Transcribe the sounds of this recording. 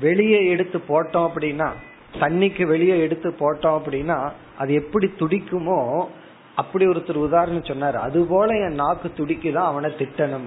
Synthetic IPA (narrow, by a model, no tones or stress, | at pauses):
ʋɛɭɪjɐɛɽɯt̪ːɯpːoːʈːõːɐpːɐɽɪnːaː | t̪ɐɳːɪkːɯʋɛɭɪjɐɛɽɯt̪ːɯpːoːʈːõːɐpːɐɽɪnːaː | ʔɐðɯɛpːɐɽit̪ʊɽɪkːɯmoː | ɐpːɐɽiɔɾɯt̪ːɪɾɯʊðaːɾɐɳɐ̃sɔnːaːɾɯɐ̰ðɯpoːlɐɛ̃ːnaːkːɯt̪ʊɽɪkːɯt̪ãːɐʋɐnɐt̪ɪʈːɐnɯm